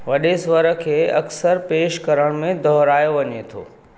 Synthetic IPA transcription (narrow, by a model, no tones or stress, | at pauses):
ʋɐɗesʋəɾə̆kʰeːɐksəɾpeːʃkɐɾəɽ̃mẽd̪ʱɔɦɾaːjoʋɐɲet̪ʰo̰ː